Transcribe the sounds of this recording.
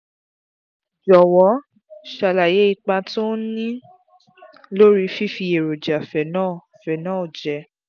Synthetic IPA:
d͡ʒɔ˨wɔ˨˦ | ʃa˧˨la˨je˨˦i˧k͡pa˧to˦nĩ˦ | lo˦ɾi˧fi˦fi˧e˨ɾo˨d͡ʒa˨fɛ˨nãː˦˨ | fɛ˨nãː˦˨d͡ʒɛ˨

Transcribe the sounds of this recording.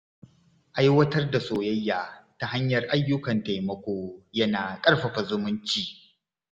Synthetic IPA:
ʔa˦jwɐ˦tɐ˦rda˨soː˨jɐ˦jːaː˨ta˨ɦa˦ɲjɐ˨rʔa˦jːʊ˦kɐ˨nta˨jmɐ˦kʷoː˦jɐ˦naː˨kʼɐ˦rɸɐ˨ɸa˨zʊ˦mʊ˦nt͡ʃiː˦

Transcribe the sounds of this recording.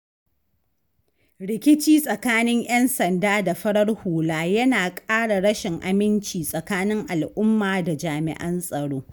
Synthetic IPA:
ɽɪ˨kʲɪ˦t͡ʃiː˦sʼɐ˨kaː˦nɪ˦ŋj̰ɛ˦nsɐ˨ndaː˦da˨ɸɐ˦ɽɐ˦rhuː˨laː˦jɐ˦naː˨kʼaː˦ɽa˨ɽɐ˦ʃɪ˨ŋʔa̰˨mɪ˦nt͡ʃiː˨sʼɐ˨kaː˦nɪ˦ŋʔa˨lʔʊ˦mːaː˨da˨d͡ʒaː˨mɪ̰˨ʔɐ˦nsʼɐ˨ɽoː˦

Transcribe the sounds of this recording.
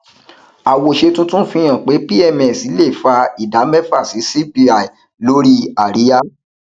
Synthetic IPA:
a˨wo˨ʃe˧tũ˦tũ˦fĩ˧j̃ã˨k͡pe˨˦pi˦ɛ˧mɛ˨si˨˦le˦˨fa˧i˨da˨˦mɛ˦fa˦˨si˨˦si˦pi˧a˨i˨ | lo˦ɾi˦a˦˨ɾi˨˦a˦

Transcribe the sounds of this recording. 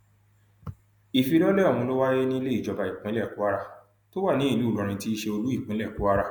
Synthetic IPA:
i˨fi˧lɔ˦lɛ˦˨ɔ˨mũ˧lo˦wa˦je˦nĩ˦i˧le˦i˦˨d͡ʒɔ˧ba˧i˨k͡pĩ˨˦lɛ˦˨ku˦a˦ɾa˦˨ | to˦wa˦˨nĩ˨˦i˦˧lu˦˨lɔ̃˧ɾ̃ĩ˧ti˦ʃe˧o˧lu˦i˦˨k͡pĩ˨˦lɛ˦˨ku˨˦a˦ɾa˦˨

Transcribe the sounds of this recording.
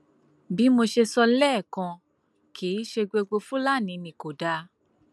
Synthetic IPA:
bi˨˦mo˧ʃe˧sɔ˧lɛ˦˨kã˧ | kiː˨˦ʃe˧ɡ͡be˧ɡ͡bo˧fũ˦la˦˨nĩ˨˧mĩ˨ko˨da˧˦

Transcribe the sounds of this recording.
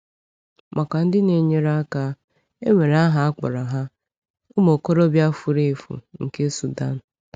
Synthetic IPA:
mʔa˨ka˨n̩˦dɪ˦ne˨ɲe˦ɾa˦ka˦ | e˦ŋʷe˨ɾa˦ɦa˦a˦k͡pɔ̰˨ɾɔ˨ɦa˦ | ʊ˦mo˨ko˦ɾo˦bja˦fu˦ɾe˦˨fṵ˨ŋ̩˨ke˦su˨da˦n̩˨

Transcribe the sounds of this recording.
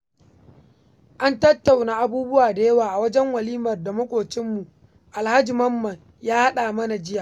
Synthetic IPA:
ʔa˦ntɐ˦tːa˨wnaː˨ʔa˦buː˦bʊ˦waː˨da˨jɐ˦waː˨ʔa˨wɐ˦d͡ʒɛ˦ŋwɐ˨liː˦mɐ˨rda˨mɐ˦kʷʼoː˨t͡ʃɪ˦mːu˨ | ʔa˨lha˦d͡ʒi˨mɐ˦mːɐ˨ŋ | jaː˦ha˦ɗaː˨mɐ˦na˨d͡ʒɪ˦jaː˨ʔ

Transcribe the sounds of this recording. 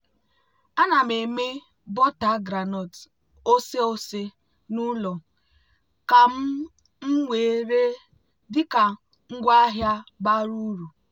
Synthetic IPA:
a˦na˨me˨me˦ | bɔ˦ta˨˦ɡɾa˨nɔ˨t | o˦se˦o˦se˦ | nu˦lɔ˨ | ka˨m̩˦ | ŋ̩˦ŋʷe˨e˨˦ɾe˦ | dɪ˦ka˨ | ŋ̩˦ɡʷa˦a˦ɦja˦ba˦ɾu˦ɾu˨

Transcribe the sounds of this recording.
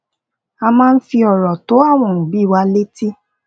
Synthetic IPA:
a˧mãː˦˧n̩˦fi˧ɔ˨ɾɔ˨to˨˦a˦˨w̃ɔ̃˧˨nũ˨bi˨˦˨wa˧˦le˦ti˦

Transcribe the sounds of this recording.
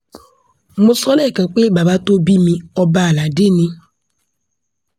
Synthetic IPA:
mũ˦sɔ˦nɛ˦˨kã˨k͡pe˦˨ba˨ba˦to˦bi˦mĩ˧ɔ˦ba˦˨la˨dɪ˦˨nĩ˧

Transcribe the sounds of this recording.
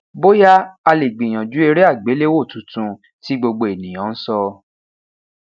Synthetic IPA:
bo˦ja˦a˧le˨ɡ͡bĩ˨j̃ã˨d͡ʒu˨˦e˧ɾe˦a˦˨ɡ͡be˨˦le˦wo˦˨tũ˨˦tũ˧ | ti˨˦ɡ͡bo˧ɡ͡bo˧e˨nĩ˨j̃ã˨˦n̩˦sɔ˧

